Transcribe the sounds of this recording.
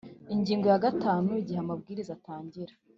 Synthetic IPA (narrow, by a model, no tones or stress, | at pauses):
iɲɟiːŋɡo̞jaɡataːnuiɟiheamabɡiːɾizataːɲɟiɾa